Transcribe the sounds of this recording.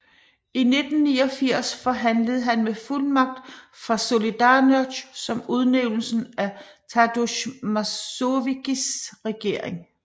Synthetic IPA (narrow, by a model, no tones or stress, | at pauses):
ine̝d̥n̩niːɒ̽fiɐ̰sfɒ̽ɦænləð̞̩ˠɦænmefulmɑ̈ɡ̥̚d̥fʁɑ̈so̝lid̥ɑ̈ːnø̥ɕsɒ̽muð̞ˠneʊnl̩sn̩æt͡sʰæd̥uɕmɑoʋiɡ̥isʁɛɡ̥e̝ɐ̰eŋ